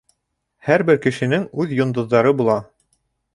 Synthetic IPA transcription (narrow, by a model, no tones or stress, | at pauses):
hæɾbɘɾkɘ̆ʃɘ̆nɘŋʉðjŏnd̪ŏðːɑɾɤbulˠɑ